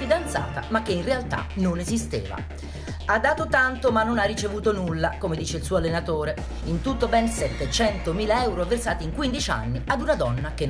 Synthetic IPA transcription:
id̪ant̪sa̰ːt̪a̰makːeinrealt̪a̰nonezist̪ḛːva̰ | ad̪ːaːt̪ot̪ant̪omanːonarːit͡ʃevuːt̪onulːakomed̪iːt͡ʃeilsuːalːenat̪oːɾe | int̪ut̪ːobɛnsɛt̪ːet͡ʃɛnt̪omiːlaɛwɾoversaːt̪iŋkwind̪it͡ʃa̰nːiad̪unad̪ɔnːak̟e

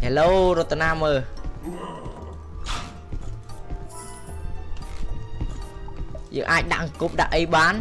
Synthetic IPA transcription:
haloːɾŏət̪ːanaːməː | jə̰ːŋʔaːc̚ɗa̰ʔŋkup̚ɗa̰ʔəjɓaːn

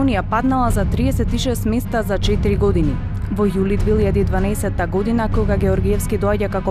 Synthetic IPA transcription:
nijapad̪nalˠazat̪ɾiɛsɛt̪iʃɛst̪mɛst̪azat͡ʃɛt̪iɾiɡɔd̪ini | vɔjulid̪vɛiʎad̪iːd̪vanaɛsɛt̪ːaɡɔd̪inakɔɡaɡɛɔɾɡiɛfskid̪ɔaɟakakɔ

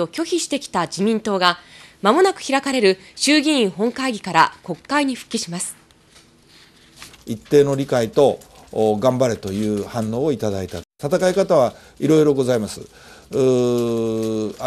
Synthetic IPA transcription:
o̞kʲo̞çiɕi̥t̪e̞kʲi̥t̪ad͡ʑimʲĩnt̪o̞ːɡamamo̞nakɯ̟̥çiɾakaɾe̞ɾɯ̟ | ɕɨːɡʲĩɰ̃ĩɰɦõ̞ŋkaiɡʲikaɾako̞kːaiɲ̟iɸɯ̟̥kʲːiɕimasɨ̥ | it̪ːe̞ːno̞ɾʲikait̪o̞ | ɡãmbaɾet̪o̞jɯ̟ːhãnːo̞ːoit̪ad̪ait̪at̪at̪akaikat̪aβa | iɾo̞iɾo̞ɡo̞zaimasɨ

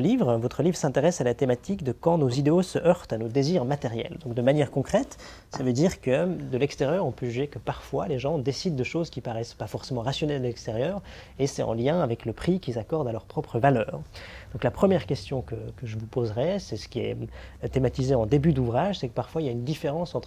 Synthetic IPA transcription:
livʁvɔt̪χəlivʁsɛ̃t̪eʁɛsalat̪emat̪ikd̪əkɑ̃nozid̪eosəʔœʁt̪anod̪eziʁmat̪eʁjɛ̰ld̪ɔ̃k̚d̪əmanjɛʁkɔ̃kχɛt̪ | savød̪iʁkəd̪əlɛkst̪eʁjœʁɔ̃pøʒyʒekəpaʁfwaleʒɑ̃d̪esid̪̚ːəʃozkʲipaʁɛspafɔʁsemɑ̃ʁasjɔnɛld̪əlɛkst̪eʁjœːʁ | esɛɑ̰̃ljɛ̃avɛkləpχikʲilzakɔʁd̪alœʁpχɔpχəvalœːʁd̪ɔ̃klapχəmjɛʁkʲɛst̪jɔ̃kəkəʒəvupozʁɛsɛsə̥kʲiɛ̰t̪emat̪izeɑ̃d̪ebyd̪uvʁaʒsɛkəpaʁfwailaynd̪ifeʁɑ̃sɑ̃t̪χ

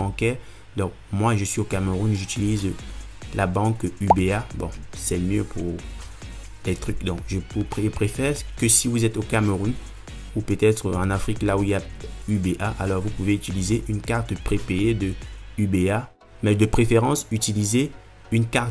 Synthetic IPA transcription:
ɑ̃kɛʁ | d̪ɔ̃kmwaʒəsɥiokaməʁunʒyt̪ilizlʔabɑ̃kybeabɔ̃sɛmjøpʰuʁ | lɛt̪χykd̪ɔ̃kʒəuʒəpχefɛʁkəsivuzɛt̪okaməʁun | upøt̪ɛt̪χəɑ̃nafχiklauilja | ybeʔaʔalɔʁvupuveyt̪ilizeʔynkaʁt̪pχepeed̪əybea | mɛd̪əpχefeʁɑ̃syt̪ilize | ynkaʁt̪

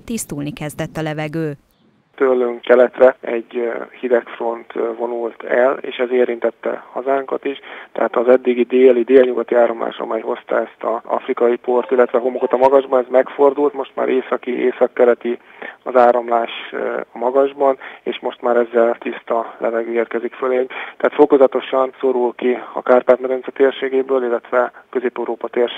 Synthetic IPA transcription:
t̪ist̪ulnikɛzd̪ɛt̪ːɒlɛvɛɡøː | t̪ølːøŋkːɛlɛt̪rɛɛɟhid̪ɛkfro̞nt̪vo̞nult̪ʰɛlḛːʃɛzeːɾint̪ɛt̪ːɛ̰hɒzaːŋkɒt̪iʃt̪ɛ̰ɦaːt̪ɒzɛd̪ːiɡid̪eːlid̪eːlɲuɡɒt̪iaːɾomla̰ːʃɒ̰mɛjho̞st̪ɒ̰ɛst̪ɒɒ̰frikɒjipo̞rt̪ilːɛt̪ʋɛɦo̞mokot̪ɒmɒɡɒʒbɒnɛzmɛkfo̞rd̪ult̪moʃt̪ma̰ːɾʔeːsɒkiʔeːsɒkːɛɾɛt̪i | ɒzaːɾomlaːʃɒmɒɡɒʒbɒnḛːʃmo̞ʃt̪maːɾɛzːɛlt̪ist̪ɒlʔɛvɛɡøːeːrkɛzikføleːɲt̪ɛaːt̪fo̞ko̞zɒt̪o̞ʃɒnso̞ɾulkiɒ̰kaːrpaːt̪mɛd̪ɛnsɛt̪eːrʃeːɡeːbøːlilːɛt̪ʋɛkø̞zeːpɛuɾoːpɒt̪eːrʃe

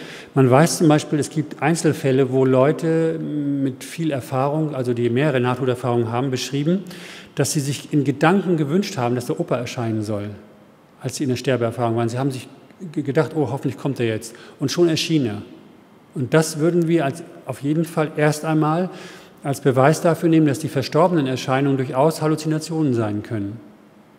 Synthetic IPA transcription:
manvaɪst͡sʊmbaɪʃpiːlɛsɡ̥iːp̚tʔaɪnt͡sl̩fɛləvoːlɔʏtʰəmɪtfiːlɛɐfaːʁʊŋʔalzodiːmeːʁəʁənaːtʰuːɛɐfaːʁʊŋənɦaːbm̩bəʃʁ̥iːbm̩d̥asz̥iːzɪçɪnɡədaŋkŋ̩ɡəvʏnʃthaːbm̩dasd̥eɐʔoːpɐɛɐʃaɪnənzɔl | ʔalsz̥iːɪndeːɐʃtɛɐbəɛɐfaːʁʊŋvaːʁənzihaːbm̩zɪçɡədaχtʔoːɦɔfn̩tlɪçkʰɔmtd̥eːɐjɛt͡stʔʊntʃoːnɛɐʃiːnənḛːɐ | ʔʊnt̚d̥asv̥ʏɐdn̩viːɐalsʔaʊfjeːdm̩falʔeːɐstʔaɪnmaːl | ʔalsb̥əvaɪsd̥afyːɐneːməndasd̥iːfɛɐʃtɔɐbənənɛɐʃaɪnʊŋəndʊɐçʔaʊshalut͡sinat͡sjoːnənzaɪnkʰœnən

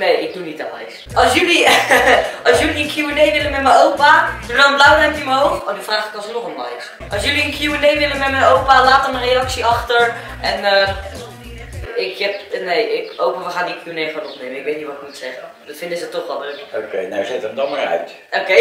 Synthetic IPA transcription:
nejɪk̚dunitalɛjs | ɑlˠsjøli | ʔɑlˠsjøliənkjuənejʋɪləmɛtmənowpadudɔnənblawərɛptjəməɦowxnyfraːχɪkɔnˠsənɔχənɔjs | ʔɑlˠsjøliənkjuənejʋɪlənmɛt̚mɛnowpalaːtəmənrejɑksiɑχtəɹ | ɛnə | ɪkɛpnejɪkowpəʋəχaːndiəkʰjunejfɔnɔpnejməɪkʋejt̚nitʋɔtɪk̚mutsɛχə | dɑtfɪndəzətɔχʋɛlˠdrøkokejnazɪtəmdɔmaɹœ̰ɥt | okej

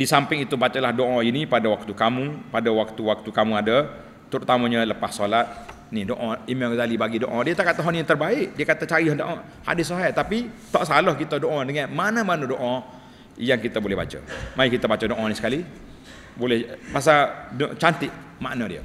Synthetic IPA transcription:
disampɪŋit̪ubat͡ʃəlahdoʔɔinipadawak̚t̪ukamupadawak̚t̪uwak̚t̪ukamuadə | t̪uɾut̪aməɲələpassolat̪̚ | nidoʔɔ̃imazalibaɡidoʔadiət̪aʔkat̪əɦɔnjat̪ərbaɪʔdiəkat̪at͡ʃaɾiɦɔndoʔã | ha̰dɪsoɦajt̪apit̪ɔʔsalɔhkit̪ədoʔãdəŋanmanəmanudoʔã | jaŋkit̪əbolɛhba̰t͡ʃə̰majikit̪əbat͡ʃədoʔɔnisə̥kali | bolɛhpas̬adt͡ʃant̪ɪʔma̰ʔnədiə̰

